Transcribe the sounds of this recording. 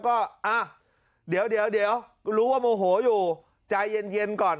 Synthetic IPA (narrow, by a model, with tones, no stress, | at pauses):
kɔ˨˦ʔaː˨˩ | ɗi˨˩˦ə˦wɗi˨˦ə˦wɗi˨˦ə˦wlu˨˦a˧˦mo˧ɦo˧˩˦zu˨˩ | t͡ɕaː˧jze˧nzi˧nkɔ˨˩n